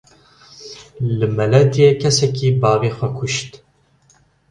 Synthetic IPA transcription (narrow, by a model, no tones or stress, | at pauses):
lɨmɛlɛd̪ijekʰɛsɛkiːbɑːveːxʷɛkʰʊʃt̪